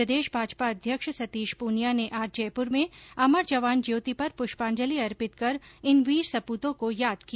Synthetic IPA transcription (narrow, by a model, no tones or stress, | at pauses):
ɾəd̪eːʃbʱaːd͡ʒpaɐd̪ʱjəkʃsɐt̪iːʃpuːnjaneʔaːd͡ʒd͡ʒɛːpʊɾmẽɐməɾd͡ʒɐʋaːnd͡ʒeːt̪ipɐɾpʊʃpãːɲd͡ʒəliɐɾpɪt̪kɐɾɪnʋiːɾsɐpuːt̪õkojaːd̪ki